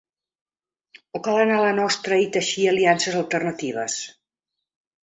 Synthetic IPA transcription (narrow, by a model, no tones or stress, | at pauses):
okalˠənalənɔst̪ɾəit̪əʃiəliansəzəlˠt̪ərnət̪iβ̞ə̰s